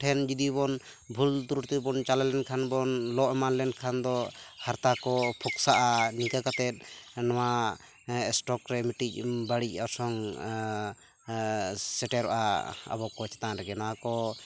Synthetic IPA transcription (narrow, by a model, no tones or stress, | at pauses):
ʈʰɛnd͡ʒid̪ibɔn | bʱult̪uɾuʈt̪ubɔnt͡ʃalalɛnkʰanbɔnlɔʔɛmanlɛnkʰand̪ɔhaɾt̪akɔpʰɔksaʔanikakat̪ɛt̪̚ˀnɔwa | ɛsʈɔkɾɛmiʈic̚baɽic̚ˀɔɾsɔŋ | sɛʈɛɾɔʔa̰a̰bɔkɔt͡ʃɛ̥t̪aɾɛɡɛnawakɔ